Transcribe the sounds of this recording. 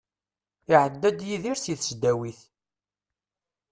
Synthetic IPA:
ɪʕəd̪ːæd̪jiðiɾsiθsd̪æwiθ

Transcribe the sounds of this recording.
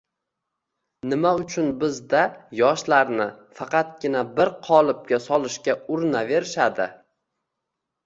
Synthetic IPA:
nɪmaʊt͡ʃʰʊnbɪzd̪ajɒʃlaɾnɪfɑqʰɑt̪̚ɡʲɪnabɪɾqʰɒlˠɪp̚kʲasɒlˠɪʃkʲaʊɾnave̞ɾɪʃad̪ɪ

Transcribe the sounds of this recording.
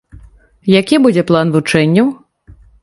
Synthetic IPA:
jakʲibud͡zʲɛplˠanvut͡ʂɛnʲːɐw

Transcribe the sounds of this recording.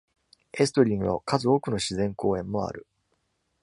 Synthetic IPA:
esɨ̥t̪oɾʲĩŋɡɯ̟βa̰kazɨoːkɯ̟no̞ɕizẽ̞ŋko̞ːẽ̞mːo̞a̰ɾɯ̟

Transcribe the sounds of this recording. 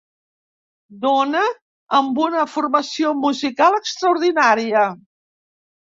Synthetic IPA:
d̪onəː | mbunəfurməsiomuzikalˠəkst̪ɾəuɾðinaɾiə

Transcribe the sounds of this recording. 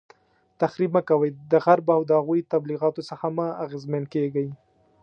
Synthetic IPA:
t̪axɾibmakawajd̪əɣaɾbawd̪əhaɣujt̪abliɣɑt̪osəxamaaɣezmankeɡaj

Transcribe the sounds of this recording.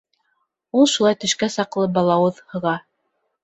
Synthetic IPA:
ulˠʃulˠɑjt̪ɵ̆ʃkæsɑqlˠɤbɑlˠɑwɤðhɤ̆ʁɑ

